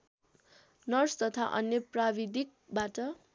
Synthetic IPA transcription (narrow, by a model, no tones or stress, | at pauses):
nʌrst̪ʌt̪ʰaʔʌ̰njʌprabid̪ʱik̚baʈʌ